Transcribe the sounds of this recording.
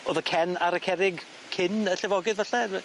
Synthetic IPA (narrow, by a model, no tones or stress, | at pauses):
oðəkʰɛnaɾəkʰɛɾɪɡ | kʰɪnəɬɛvɔɡɪðvaɬɛ